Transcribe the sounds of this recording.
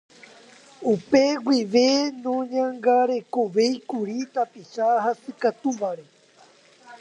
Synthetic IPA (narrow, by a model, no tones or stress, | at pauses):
upeɡwiʋe̞nõɲãŋɡaɾe̞koʋe̞jkuɾit̪apiʃaɦasɨkat̪uʋaɾe̞